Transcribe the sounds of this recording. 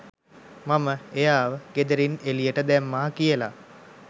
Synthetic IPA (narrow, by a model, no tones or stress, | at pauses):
maməejaːʋəɡ̥ed̪əɾinelijəʈəd̪ɛmːaːkijəla̰